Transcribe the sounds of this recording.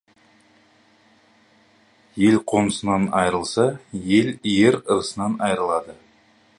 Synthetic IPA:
je̞lqʰo̞nəsənɑnɑjɾəlˠsɑje̞lijeɾəɾəsənɑnɑjɾəlˠɑd̪ə

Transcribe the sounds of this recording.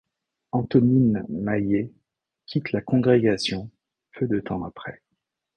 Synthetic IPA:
ɑ̃t̪ɔninmaje | kʲʰit̪lakɔ̃ɡʁeɡasjɔ̃ | pʰød̪ət̪ɑ̃apχɛ

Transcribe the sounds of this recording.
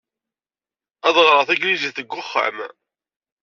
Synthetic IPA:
æðˤʁɾˤəθæɡlizæθəɡʷːʊχːa̰m

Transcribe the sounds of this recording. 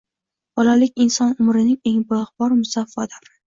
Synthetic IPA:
b̥ɒlalɪk̚ʲɪnsɒnʊmɾɪnɪŋe̞ŋboχbɒɾmʊsafːɒd̪ɒɾɪ

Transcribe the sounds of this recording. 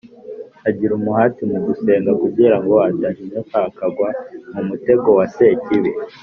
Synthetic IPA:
aɟiɾumuhaːtimuɡuse̞ːŋɡakubɟiːɾaŋɡo̞adaʃizataːkaɡwamumute̞ɡo̞wase̞ciβe

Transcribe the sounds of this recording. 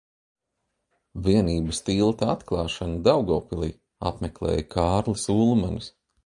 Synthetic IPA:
viɛniːbɨst̪iːlˠt̪aat̪klˠɑːʃanad̪awɡɔːpilˠḭː | a̰pmɛklˠɛ̰ːjkʰaːɾlˠisuːlˠmanus

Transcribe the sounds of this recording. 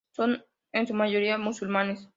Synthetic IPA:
son | ensumaʝoɾiamusulmãnes

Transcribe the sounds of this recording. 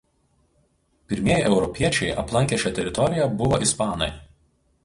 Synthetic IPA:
pʲɪɾʲmʲiɛjʔɛʊɾɔpʲiɛt͡ʃʲɛɪʔɐ̰plˠɐŋʲkʲiɛʃʲɛt̪ʲɛɾʲɪt̪ɔɾʲɪjɛbʊʋoːʔɪspɑːnɐ̰ɪ

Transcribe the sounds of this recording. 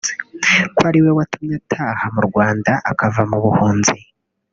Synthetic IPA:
kwaɾiwe̞watumɲatʰaːhamuɾɡwaːndaʔakavamuβuhuːnzi

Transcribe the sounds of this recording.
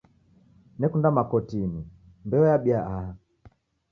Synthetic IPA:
nɛkundamakɔtini | mbɛɔjaɓiaʔaha

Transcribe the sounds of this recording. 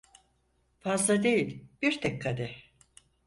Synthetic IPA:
fazlˠad̪e̞jilʲb̥iɾt̪ʰɛkkʰːad̪ɛ

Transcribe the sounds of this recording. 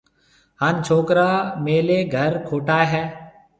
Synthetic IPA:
ɦaːnt͡ʃʰoːkɾaːmeːleːɡʱəɾkʰoːʈaːɦɛː

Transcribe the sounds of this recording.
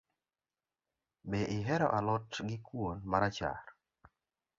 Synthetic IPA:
beʔɪɦɛɾɔ̰ʔalɔtɡɪkwonmaɾat͡ʃa̰r

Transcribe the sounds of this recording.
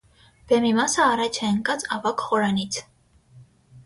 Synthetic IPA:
b̥ɛmimɑsəːɾɑt͡ʃʰɛəŋkʼɑt͡sʰʼɑvɑkχɔɾɑnit͡sʰ

